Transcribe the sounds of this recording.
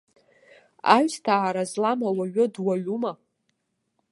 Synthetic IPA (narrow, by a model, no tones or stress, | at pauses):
aɥstʰaːɾazlamawaɥʊdwaɥuma